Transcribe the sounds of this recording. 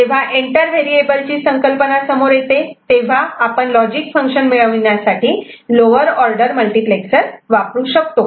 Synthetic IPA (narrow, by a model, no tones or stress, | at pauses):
d͡ʑeʋ̤aʔeɳʈəɾʋeɾieʈəɾt͡ɕiːsəŋkəlpənasəmoɾjet̪et̪eʋ̤aːpəɳlɔd͡ʑikfəŋkɕənmiɭəʋnjasaʈiːloʋəɾɔɾɖəɾməlʈipleksəɾʋapɾuːɕəkt̪o